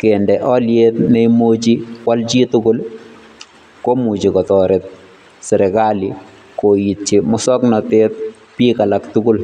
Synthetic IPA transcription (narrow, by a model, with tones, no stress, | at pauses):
ke˨ndɛʔɔ˦ljet̪ne˦imo˦t͡ʃi˦kwalt͡ʃi˦tʊkʊ˦l | ko˦mu˨t͡ʃi˨kɔ˨tɔɾɛt̪̚ | sɛ˨ɾɛ˨ka˦li | ko˨itt͡ʃi˨mʊ˦sɔ˦knɔ˨tet̪̚ | piː˦ka˨laktʊkʊ˦l